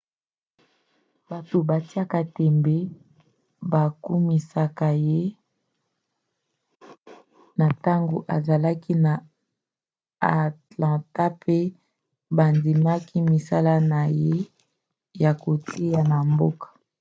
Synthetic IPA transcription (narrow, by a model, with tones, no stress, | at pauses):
ba˨to˨ba˨ti˦a˦ka˨tɛ˨mbe˦ | ba˨ku˦mi˨sa˦ka˦˨je˦ | na˨ta˦ŋɡo̰˨ʔa̰˨za˨la˦ki˦na˨ | a˨tlã˨ta˦pe˦ | ba˨ndi˨ma˦ki˦mi˨sa˦la˦na˨je˦ | ja˨ko˨tʰi˦ja˨na˨mbo˦kḁ˨